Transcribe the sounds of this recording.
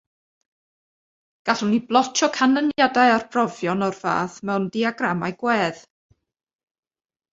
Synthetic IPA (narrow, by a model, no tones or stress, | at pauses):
ɡ̥aɬuniblˠɔt͡ʃʰɔkʰanənjadaɨarpʰrɔvjɔnɔrv̥a̰ːθmɛwndiaɡramajɡ̥wɛːð̥